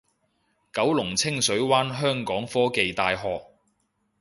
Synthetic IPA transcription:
kɐ˨˥wlʊ˨˩ŋt͡sʰɪ˥ŋsɵ˨˥ɥwaː˥nɦœː˥ŋkɔː˨˥ŋfɔː˥ke˨˧jt̪aː˧jɦɔː˨k̚

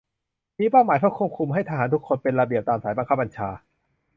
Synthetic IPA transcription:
miː˧paː˥˩wmaː˩˦t̪ʰa˥˩kʰu˥˩p̚kʰu˧mɦa˥˩jt̪ʰa˧ɦaː˩˦nt̪ʰu˦˥kʰːo˧npe˧nɾa˧bi˨˩əp̚t̪aː˧msaː˩˦jba˧ŋkʰa˦˥p̚ːa˧nt͡ɕʰaː˧

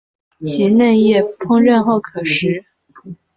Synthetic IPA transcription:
t͡ɕʰi˧˥ne˥˧jɛ˥˩pʰʊ˥ŋɻə˥˧nxo˥˩ʊkʰɤ˨˩ʂɻ̩˧˥

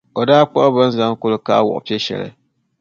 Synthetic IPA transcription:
o˨daː˦k͡pɔ˦ʔba˦n̩˦za˦ŋ˦ko˦lɨ˦ka˦wɔ̰˨ʔpi˦e˦ʃɛ̰˨lɨ̰˨

